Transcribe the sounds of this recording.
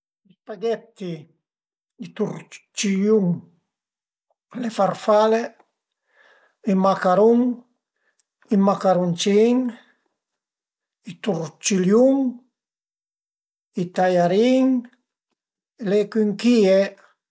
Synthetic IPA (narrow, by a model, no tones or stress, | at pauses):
ispaɡet̪ːi | it̪uɾt͡ʃiljuŋ | lefarfale | imakaɾuŋ | imakaɾunt͡ʃiŋ | it̪uɾt͡ʃiljuŋ | it̪ajaɾiŋ | lekiŋkie